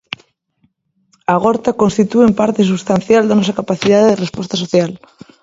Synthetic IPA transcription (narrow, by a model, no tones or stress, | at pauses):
aɣ̞oɾt̪akonst̪it̪uempaɾt̪es̬ust̪anθjald̪anosakapaθiðaððerespwest̪asoθjal